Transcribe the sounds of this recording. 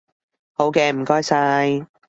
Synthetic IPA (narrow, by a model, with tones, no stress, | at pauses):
ho˨˥wkɛː˧m̩˨˩kɔː˥jsaː˧j